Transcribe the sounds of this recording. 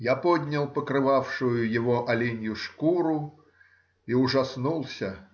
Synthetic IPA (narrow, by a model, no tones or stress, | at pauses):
japɔd̪ʲnʲɐlˠpəkɾɨvawʂʊjʊjɪvɔʔɐlʲinʲjʊʂkuɾʊ | iʊʐasnulˠsʲɐ